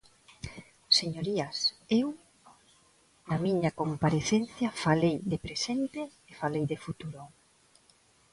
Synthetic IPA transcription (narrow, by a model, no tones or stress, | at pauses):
seɲoɾiasew | namiɲakompaɾeθen̟θjɐfalejðepɾesent̪eːfalejðefut̪uɾo